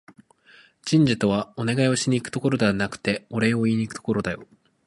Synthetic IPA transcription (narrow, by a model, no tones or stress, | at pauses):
d͡ʑĩɲ̟d͡ʑit̪o̞βao̞ne̞ɡaio̞ɕiɲ̟ʲiːkɯ̟t̪o̞ko̞ɾo̞d̪e̞βanakɯ̟̥t̪e̞o̞ɾe̞oiiɲ̟ikɯ̥t̪o̞̥ko̞ɾo̞d̪ajo̞̰